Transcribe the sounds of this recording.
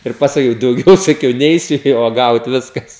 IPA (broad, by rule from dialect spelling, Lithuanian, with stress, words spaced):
ɪr pɐsɐˈkʲɛʊ dɐʊˈɡʲɛʊ sɐˈkʲɛʊ ˈnʲɛɪsʲʊ nʲeː uɔˈɡɐʊt ˈʋʲɪskɐs